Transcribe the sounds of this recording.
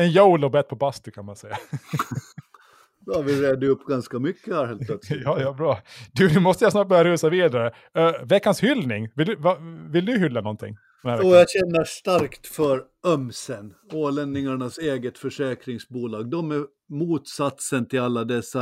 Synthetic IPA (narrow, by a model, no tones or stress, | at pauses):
ɛnjowlɔbɛt̪̚ːpʰɔbast̪əkʰanmansɛjːa | d̪avɪɾeːd̪əɵpːɡanskamʏkːəhæɾheːllɛt̪ːjɑːjɑbɾɑːd̪ɵnʉmɔst̪əjasnɑːʈ̚bœɾjaɾʉːsaviːd̪aɾə | vɛkːanshʏlnɪŋvɪld̪ɵvavɪld̪ɵɦʏlːanɔnt̪ʰɪ̰ŋː | ɔnhæɾɛɔjaɕɛnːəʂt̪aɾkt̪fœɾ | œmsənoːlɛnd̪nɪŋaɳaseːɡət̪fœʂɛːkɾɪŋsbuːlɑːɡ̚d̪ɔmɛ | muːt̪sat̪sənt̪ʰɪlalːad̪ɛsːa